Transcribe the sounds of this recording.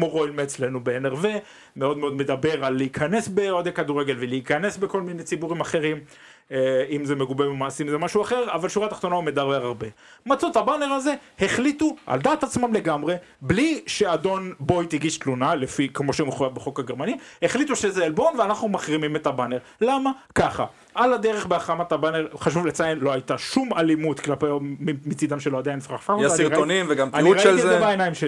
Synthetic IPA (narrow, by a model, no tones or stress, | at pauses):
moʁoilmeːt͡sle̞nubeeneʁve | meo̞d̪meo̞d̪me̞d̪abe̞ʁalːeikʰane̞sbeod̪akad̪uʁeɡe̞lveleikane̞sbeko̞lminet͡sibuʁimaχe̞ʁim | imzemeɡubememaːsimzemaʃuaχe̞ʁavalʃuʁat̪aχt̪o̞naume̞d̪aʁeʁaʁbe̞ | mat͡sothabane̞ʁaze̞heχlit̪uʔa̰ld̪aːt̪at͡smamle̞ɡamʁe̞ | bliʃe̞ad̪o̞nbo̞jt̪iɡiʃt̪lunalefikmo̞ʃemuχujavbeχo̞kaɡeʁmanihe̞χlit̪uʃezealbo̞nveanaχnumaχʁimimet̪abaneʁlamakaχa̰ | ʔalad̪eʁeχbeaχamat̪abaneʁχaʃ̬uvlet͡sajenlo̞ajt̪aʃumalimut̪klapejimit͡sid̪amʃeload̪ajnfʁaχfakaniʁaonimveɡamaniʁaliezebaenajimʃe